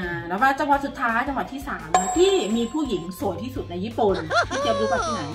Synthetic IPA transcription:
ʔɯː˧˩lɛː˦˥waː˥˩t͡ɕa˧ŋwa˨˩t̪̚su˨˩t̪ʰːaː˦˥jt͡ɕa˧ŋwa˨˩t̪ʰːiː˥˩saː˩˦m˥t̪ʰiː˥˩miː˧pʰuː˥˩ji˩˦ŋsu˨˩əjt̪ʰiː˥˩su˨˩t̪̚na˧jiː˥˩pu˨˩nt̪ʰiː˥˩ki˧p̚ɾuː˦˥pʰa˧˩t̪ʰaː˥˩na˦j

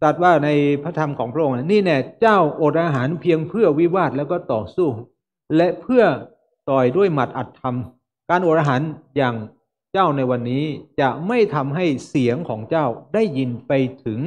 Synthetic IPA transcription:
sa˨˩t̪̚waː˥˩na˧jpʰa˦˥t̪ʰa˧mkʰɔː˩˦ŋpʰɾa˥ʔo˧nɛ˥˩niː˥˩nɛ˧˩t͡ɕaː˥˩wʔo˨˩t̪̚ʔaː˧ɦaː˩˦npʰi˧əŋpʰɯ˥˩ɐwi˦˥waː˥˩t̪̚lɛː˦˥wkɔː˥˩t̪ɔː˨˩suː˥˩ | lɛ˦˥pʰɯ˥˩ɐ | t̪ɔː˨˩jdu˥˩əjma˨˩t̪̚ʔa˨˩t̪ʰːa˧m | kaː˧nʔoː˨˩t̪̚ʔaː˧ɦaː˩˦njaː˨˩ŋ | t͡ɕaː˥˩wna˧jwa˧nːiː˦˥t͡ɕa˨˩ʔma˥˩jt̪ʰa˧mɦa˥˩jsi˩˦əŋkʰɔː˩˦ŋt͡ɕaː˥˩wdaː˥˩jːi˧npa˧jt̪ʰɯ˩˦ŋ

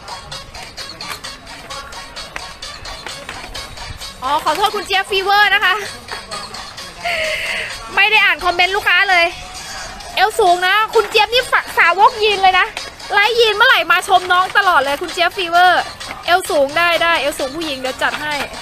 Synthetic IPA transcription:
ʔɔː˨˧˩kʰɔː˨˩˦t̪ʰoː˥˩t̪̚kʰu˧nt͡ɕe˦˥pːiː˧wɤː˥˩na˦˥kʰa˦˥ʔ | ma˥˩jda˥˩jʔaː˨˩nkʰɔ˧mːe˦˥nluː˥˩kʰːaː˦˥lɤː˧j | ʔe˧wsuː˨˩˦ŋna˦˥kʰu˧nt͡ɕi˦˥p̚niː˥˩fa˨saː˨˦wo˦˥k̚jiː˧nlɤː˧jna˦˥ | la˦˥jːiː˧nmaː˧˥˩la˨˩jmaː˧t͡ɕʰo˧mnɔː˦˥ŋt̪a˧lɔː˨˩t̪̚lɤː˧jkʰu˧nt͡ɕe˦˥pːiː˧wɤː˧˥˩ | ʔe˧˥wsuː˩˦ŋdaː˥˩jdaː˥˩jʔeː˧wsuː˨˦ŋpʰuː˥˩ji˨˩˦ŋdɛː˧˩wt͡ɕa˨˩t̪̚ɦa˥˩j

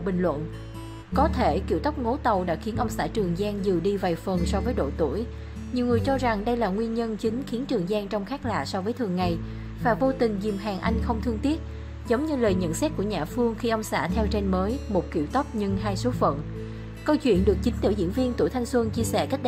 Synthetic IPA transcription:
ɓï˨˩ŋ̟lwə̰˧˨n | kɔ˨˦t̪ʰe˧˩ki˧˩əwt̪ə˦˥wk͡p̚ŋo˨˦t̪ə˨˩wɗa̰ː˧˥xi˨˦ənʔə˧wŋ͡msa̰ː˧˩t͡ɕɨ˨˩əŋzaː˧ŋzɨ˨˩ɗi˧va˨˩jfə˨˩nsɔ˨˧vəː˨˦jɗo̰˧˨t̪ṵ˧˩əj | ɲi˨˩wŋɨ˨˩əjt͡ɕɔ˧za˨˩ŋɗə˧jlaː˨˩ŋwi˧ənɲə˧nt͡ɕï˨˦ŋ̟xi˨˦ənt͡ɕɨ˨˩əŋzaː˧ŋt͡ɕɔ˧wŋ͡mxaː˦˥k̚la̰ː˧˨sɔ˧vəː˨˦jt̪ʰɨ˨˩əŋːa˨˩j | faː˨˩jvo˧t̪ï˨˩ŋ̟zi˨˩mɦaː˨˩ŋʔa˧jŋ̟xə˧wŋ͡mt̪ʰɨ˧ŋt̪i˦˥ət̚ | zə˨˦wŋ͡mɲɨ˧ləː˨˩jɲə̰˧˨nsɛ˦˥t̚ku˧˩əɲaː˨˩fɨ˧əŋxi˧ʔə˧wŋ͡msa̰ː˧˩t̪ʰɛ˧wt͡ɕe˧nməː˨˦jmo˨˩t̚kḭ˧˩wt̪ə˦˥p̚ɲɨ˧ŋɦaː˧jso˨˦fə̰˧˨n | kə˧wt͡ɕwḭ˧˨ənɗɨ˨˩ək̚t͡ɕï˨˦ŋ̟t̪ɨ̰˧˩əzḭ˧˥ənvi˧ənt̪ṵ˧˩jt̪ʰa˧ŋ̟swə˧ŋt͡ɕi˧əsɛ̰˧˩ka˦˥k̚

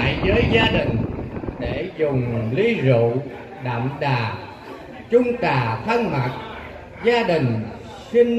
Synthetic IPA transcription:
a̰˧˨jzəː˨˦jzaː˧ɗï˨˩ŋ̟ɗe˧˩zʊ˨˩ŋ͡mli˧zṵ˧˨ | ɗa̰ː˧˨mɗaː˨˩ | t͡ɕʊ˧ŋ͡mt̪aː˨˩t̪ʰə˧ŋma˨˩t̚ | zaː˧ɗï˨˩ŋ̟ | xi˧n

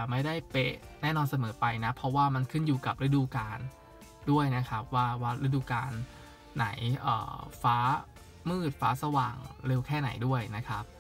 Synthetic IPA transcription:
ma˥˩jda˥˩jpe˦˩nɛː˥˩nɔː˧nsa˧mɤː˩˦pa˧jna˦˥pʰɾɔ˦˥waː˥˩ma˧nkʰɯ˥˩njuː˨˩ka˨˩p̚ɾe˦˥duː˧kaː˧n | du˥˩əjna˦˥kʰa˦˥p̚waː˥˩waː˥˩ɾe˦˥duː˧kaː˧nː | a̰˩˦jʔɤ̰ː˨˩faː˦˥ | mɯː˥˩t̪̚faː˦˥sa˧waː˨˩ŋɾe˧wkʰɛː˥˩na̰˩˦jdu˥˩əjna˦˥kʰa˦˥p̚

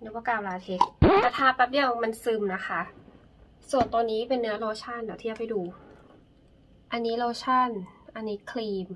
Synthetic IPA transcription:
na˧˩wɔː˧˥˩kaː˧˩wlaː˧t̪ʰe˦˥k̚t̪ɛː˧˩t̪ʰaː˧˩pɛː˨˩p̚ni˧˩əwma˧nsɯː˧mna˦˥xʰa˦˥˩ | su˨˩nt̪oː˧nːiː˦˥pe˧nːɯ˦˥ɐloː˧t͡ɕʰa˥˩ndaː˨˩t̪ʰiː˥˩t͡ɕa˨˩pa˨jduː˧ | ʔa˧nːiː˦˥loː˧t͡ɕʰa˥˩nʔa˧nːiː˦˥kʰliː˧m

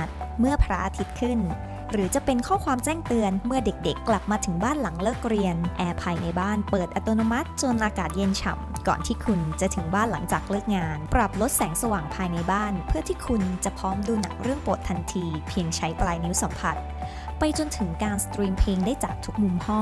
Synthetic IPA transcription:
t̪̚mɯ˥˩ɐpʰɾa˦˥ʔa˧t̪ʰi˦˥t̪̚kʰɯ˥˩n | ɾɯː˩˦t͡ɕa˨˩pe˧nkʰɔː˥˩kʰwaː˧mt͡ɕɛː˥˩ŋt̪ɯ˧ənmɯ˥˩ɐde˨˩k̚de˨˩kːla˨˩p̚maː˧t̪ʰɯ˩˦ŋbaː˥˩nla˩˦ŋlɤː˥˩k̚ɾi˧ənʔɛː˧pʰaː˧jna˧jbaː˥˩npɤː˨˩t̪̚ʔa˧t̪oː˧no˧ma˦˥t̪̚t͡ɕo˧nʔaː˧kaː˨˩t̪̚je˧nt͡ɕʰa̰˨˩mkɔ̰ː˨˩nt̪ʰiː˥˩kʰu˧nt͡ɕa˨˩t̪ʰɯ˩˦ŋbaː˥˩nla˩˦ŋt͡ɕaː˨˩k̚lɤː˥˩k̚ŋaː˧npɾa˨˩p̚lo˦˥t̪̚sɛː˩˦ŋsa˧waː˨˩ŋpʰaː˧jna˧jbaː˥˩npʰɯ˥˩ɐt̪ʰiː˥˩kʰu˧nt͡ɕa˨˩pʰɔː˦˥mduː˧na̰˨˩˦k̚ɾɯ˥˩əŋpo˨˩t̪ʰːa˧nt̪ʰiː˧pʰi˧əŋt͡ɕʰa˦˥jplaː˧jni˦˥wsa˩˦mpʰa˨˩t̪̚ | pa˧jt͡ɕo˧nt̪ʰɯ˩˦ŋkaː˧nst̪ɾiː˧mpʰleː˧ŋdaː˥˩jt͡ɕaː˨˩k̚t̪ʰu˦˥k̚mu˧mhɔ˥˩

